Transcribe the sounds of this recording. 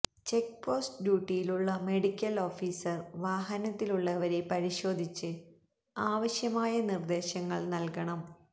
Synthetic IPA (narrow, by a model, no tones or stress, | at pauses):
t͡ɕek̚po̞ːstɖjuːʈːijiluɭːɐme̞ɽikʲːɐlo̞ːfiːsɐrʋaːɦɐnɐt̪ːiluɭːɐʋɐɾe̞pɐɾiɕo̞ːd̪ʱit͡ɕːɨ | aːʋɐɕjɐmaːjɐnird̪e̞ːɕɐŋːɐɭnɐlkɐɳɐm